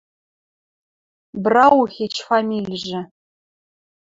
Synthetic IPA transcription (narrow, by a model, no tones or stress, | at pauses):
brɑuxʲet͡ɕfamʲilʲʒɘ̆